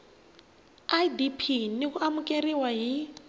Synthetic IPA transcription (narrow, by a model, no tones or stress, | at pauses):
aidipʰinik̬uamukʼeriwaɦi